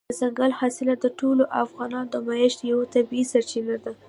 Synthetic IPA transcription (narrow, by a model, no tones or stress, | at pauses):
əzaŋɡalhɑsɪlad̪əʈoloʔafɣɑnɑnd̪əmaɪʃjawat̪abiisaɾt͡ʃinad̪a